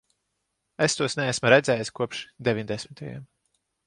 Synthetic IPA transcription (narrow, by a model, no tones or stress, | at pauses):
est̪uɔsnɛæsmɐɾɛd̪zɛːjskuɔpʃd̪ɛvʲiɲʲd̪ɛsʲmit̪ʰaja̰m